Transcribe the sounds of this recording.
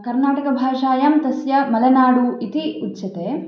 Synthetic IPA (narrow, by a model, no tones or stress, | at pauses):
kɐɾnaːʈɐkɐbʱaːʂaːjɐmt̪ɐsjɐmɐlɐnaːɽuit̪iutːt͡ʃɐt̪eː